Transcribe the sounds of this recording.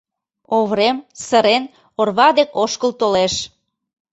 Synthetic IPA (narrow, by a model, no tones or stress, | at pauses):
oβɾemsəɾen | orβɑd̪ekoʃkəlt̪oleʃ